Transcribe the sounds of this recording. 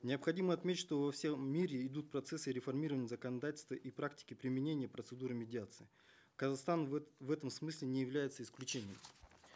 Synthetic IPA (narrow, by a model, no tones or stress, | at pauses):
nʲɪəpxɐdʲiməɐt̪mʲetʲɪʂt̪ovɐfsʲeːiɾʲɪɪd̪ut̪̚pɾɐt̪sɛsɨɾʲɪfɐrmʲiɾəvənʲɪjəzəkənɐd̪atʲɪlʲst̪vəʔipɾak̚tʲɪ̥kʲɪpɾʲɪmʲɪnʲenʲɪjəpɾət̪sɨd̪uɾɨmʲɪdʲɪat̪sɨɪ | kəzaxst̪anvɛt̪əmsmɨsʲlʲɪnʲɪjɪvlʲæjɪt̪səɪsklʲʉt͡ɕenʲɪjə̰m